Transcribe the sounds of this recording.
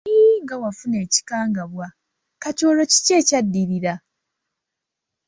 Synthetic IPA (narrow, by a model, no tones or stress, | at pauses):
iŋɡawafune̞ːci̥kaːŋɡaβwa | kato̞ːlo̞ci̥ce̞ːcadːiɾiɾa